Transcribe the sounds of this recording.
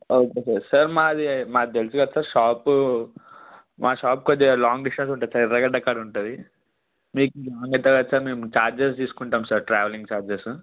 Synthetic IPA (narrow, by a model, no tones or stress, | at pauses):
oːkesɐɾsɐɾmaːd̪imaːt̪elusuɡɐd̪saːɾʂaːpu | mʔaːʃaːp̚kod͡ʒelaːŋɡɖisʈɐns̬uɳʈɐːd̪sɐɾiɾːɐɡɐɖɐkːaɽuɳʈund̪i | miːkuaːɐŋɡɐt̪ːɐɡɐd̪saːɾmeːmut͡ʃaːɾd͡ʒes̬t̪iːsu̥kuɳʈaːmsaɾʈɾaːʋɐliŋɡt͡ʃaːɾd͡ʒesu